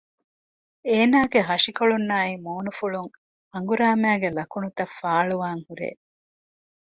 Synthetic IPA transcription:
eːnaːɡeɦɐʂikoɭunːaːimoːnufuɭuŋ | ɐŋɡuɾaːmæːɡelɐkunut̪ɐfːaːɭuʋaːŋhuɾḛː

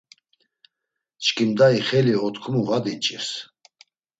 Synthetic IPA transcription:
t͡ʃʼkʼimd̪aiχɛliɔt̪ʰkʰmuʁad̪it͡ʃʼis

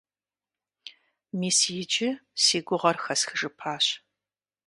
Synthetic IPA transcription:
miːsijɪd͡ʒɪsiːɡʷʊʁɐrxɐsxɨʒɨpʰaːɕ

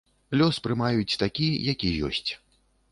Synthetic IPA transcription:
lʲɔspɾɨmajut͡sʲt̪akʲijakʲijjɔ̰sʲt͡sʲ

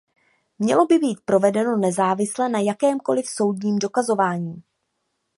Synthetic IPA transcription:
mɲɛlo̞bɪbiːt̪̚pɾo̞vɛdɛno̞nɛzaːvɪslɛnajakɛːmko̞lɪfso̞wdɲiːmdo̞kazo̞vaːɲiː

